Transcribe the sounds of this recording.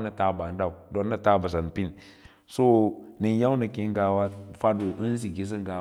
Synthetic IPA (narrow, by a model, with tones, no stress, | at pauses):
na˨ta˦ba˨n˦da˦˨u˨do˨nːa˦˨ta˦ba˨s̬a˨n˨pi˦n | so˦ni˨n˦ja˦wnə˨ki˦ŋ˦ɡa˨wa˦fa˦do˨ʔi˦n˦zi˨ɡi˦s̬i˦ŋ˦ɡa˨